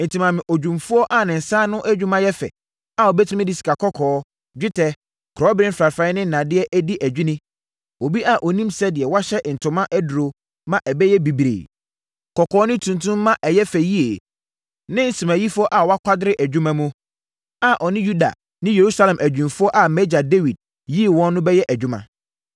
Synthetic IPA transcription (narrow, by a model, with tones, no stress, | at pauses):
n̩˨tʰĩ˨mã˨mɪ̃˨ʔɔ˨d͡ʑᶣũ˨mfu˦ɔ˦ʔa˨nɪ̃˨n̩˨sãː˦nʊ̃˦ʔæ˦d͡ʑᶣũ˦mã˦jɛ˦fɛ̰˨ | a˨ɔ˨bɛ˦tʰi˦mɪ̃˦dɪ˦si̥˨ka˨kʰɔ˦kʰɔː˨˦ | d͡ʑᶣɪ˦tʰɛ˦ | kʰɾɔ˦bɾɪ̃˦m̩fɾa˨fã˦ɪ˦nɪ̃˦n̩˨nã˨dɪ˦ɛ˦ʔæ˦di˦ʔæ˨d͡ʑᶣi˦nɪ̃˦ | o˨bi˦ʔa˨ʔɔ˨nĩ˦msɛ˦dɪ˨ɛ˨wa˦ɕɛ˦ʔn̩˨tʰʊ̃˨mã˦ʔæ˦dʊ˨ɾo˨ | mã˨ʔɛ˨bɛ˦jɛ˦bi˨bɾḛ˨ | kʰɔ˨kʰɔː˨˦nɪ̃˦tʰũ˨ntʰũ˦mː˦ã˦ʔɛ˨jɛ˦fæ˨ji˦e˨ | nɪ̃˦n̩˨si˨mæ̃˨ji˦fʊ˦ɔ˦ʔa˨wɔ˦a˦kʷʰa˦dɪ˦ɾɪ˦ʔæ˨d͡ʑᶣũ˦mã˨mũ˦ | a˨ʔɔ˨nɪ̃˦ju˦da̰˨ | nɪ̃˦je˨ɾu˦sa˦lɛ̃˨mʔæ˨d͡ʑᶣũ˨nfʊ˦ɔ˦ʔa˨mɛ˦d͡ʑa˨de˦wi˨d̚ | ji˦˨wɔ̃˦nːʊ̃˦bɛ˦jɛ˦ʔæ˨d͡ʑᶣʊ̃˦mã̰˨